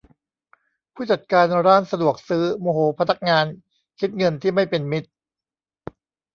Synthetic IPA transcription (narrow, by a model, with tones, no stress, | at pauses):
pʰuː˥˩t͡ɕa˨˩t̪̚kaː˧nɾaː˥˩nsa˧du˨˩ək̚sɯː˦˥moː˧hoː˨˦pʰa˧˥na˦˥k̚ŋaː˧n | kʰi˦˥t̪̚ŋɤ˧nt̪ʰiː˥˩ma˥˩jpe˧nmi˦˥t̪̚